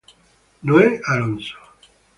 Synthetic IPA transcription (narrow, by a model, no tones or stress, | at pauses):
noealonso̥